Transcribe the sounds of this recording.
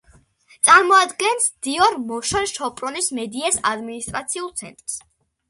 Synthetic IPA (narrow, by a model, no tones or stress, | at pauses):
t̪sʼaɾmɔad̪ɡɛnsd̪̥iɔɾmɔʃɔnʃɔpʼɾɔnismɛd̪iɛsad̪minist̪ʼɾat̪sʰiulˠt̪sʰɛ̰nt̪ʼɾs